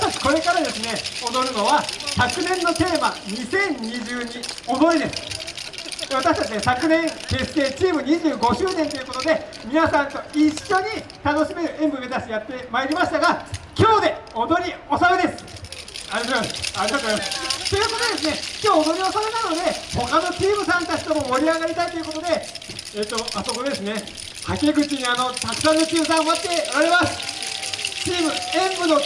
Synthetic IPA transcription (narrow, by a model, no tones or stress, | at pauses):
at̪at͡ɕi̥ko̞ɾe̞kaɾad̪e̞sɨne̞o̞d̪o̞ɾɯ̟no̞βasakɯ̟nẽ̞nːo̞t̪e̞ːmaɲ̟isẽ̞ɲɲːiʑɨːɲ̟io̞d̪o̞ɾʲid̪e̞sɨ̥ | β̞at̪aɕi̥t̪at͡ɕid̪sakɯ̟nẽ̞ŋke̞ːsɨ̥k̪e̞ːt͡ɕiːmɯ̟ɲ̟iʑɨːɡo̞ɕɨːnẽnt̪o̞jɯ̟ko̞t̪od̪e̞ | mʲinasãnt̪o̞iɕːo̞ɲ̟it̪ano̞ɕime̞ɾɯ̟ẽ̞mbɯ̟mezasijat̪ːe̞maeɾʲimaɕi̥t̪aɡakʲo̞ːd̪e̞o̞d̪o̞ɾʲio̞samed̪e̞sɨ̥ | aɾʲiomasaɾʲiɡat̪oaɾimast̪o̞jɯ̟kot̪od̪e̞s̬ɨne̞kʲo̞ːod̪o̞ɾʲio̞samenano̞d̪e̞ho̞kano̞t͡ɕiːmɯ̟sãnt̪at͡ɕi̥t̪o̞mo̞mo̞ɾʲiaɡaɾʲit̪ait̪o̞jɯko̞t̪o̞d̪e̞ | eːt̪ːo̞aso̞ko̞d̪e̞sɨne̞ | hakʲeɡɯ̟t͡ɕiɲ̟iano̞t̪akɯ̟̥sãnːot͡ɕiːmɯ̟sãoat̪ːe̞oɾaɾe̞masɨ̥ | t͡ɕiːmɯ̟ẽ̞mbɯ̟no̞